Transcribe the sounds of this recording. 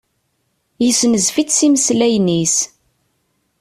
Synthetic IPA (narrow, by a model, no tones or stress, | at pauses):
jəsnəzfit͡ssiməslæjnis